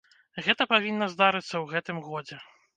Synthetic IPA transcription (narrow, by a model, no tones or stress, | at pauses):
ɣɛt̪ɐpavʲinːɐzd̪aɾɨt̪sːɐwɣɛt̪ɨmɣɔd͡zʲɛ